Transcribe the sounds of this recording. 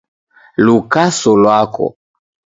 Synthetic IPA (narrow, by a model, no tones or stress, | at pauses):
lukasɔlwakɔ̰